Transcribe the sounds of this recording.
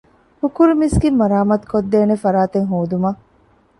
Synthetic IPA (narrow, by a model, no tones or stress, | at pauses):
hukuɾumisɡimɐɾaːmɐt̪kod̪ːeːnefɐɾaːt̪eŋɦoːd̪umɐ